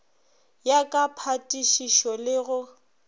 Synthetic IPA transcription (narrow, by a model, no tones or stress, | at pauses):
jakʼapʰatʼiʃiʃɔlɪɣʊ